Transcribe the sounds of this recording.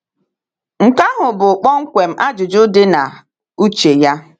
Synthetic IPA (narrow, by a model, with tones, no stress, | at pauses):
ŋ̩˨ka˦ɦʊ˨bʊ˨k͡pɔ˦ŋ̩˦kʷe˨m̩˦ʔa˦d͡ʒʊ˨d͡ʒʊ˦dɪ˦na˨ | u˦t͡ʃe˨ja˦